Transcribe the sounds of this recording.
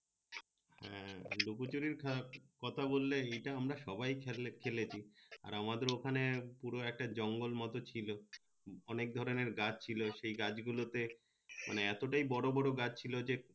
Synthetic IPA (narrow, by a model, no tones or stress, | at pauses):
hɛ̰̃lukut͡ɕuɾiɾʰakɔt̪ʰabolːeejʈaamɾaʃɔbajkʰelet͡ɕʰia̰ɾamad̪eɾokʰanepuɾoɛk̚ʈad͡ʑɔŋɡolmɔt̪ot͡ɕʰilo | ɔnek̚d̪ʱɔɾoneɾɡad͡ʑt͡ɕʰiloʃejɡad͡ʑɡulot̪e | mʔa̰neɛt̪oʈajbɔɽobɔɽoɡad͡ʑt͡ɕʰilod͡ʑe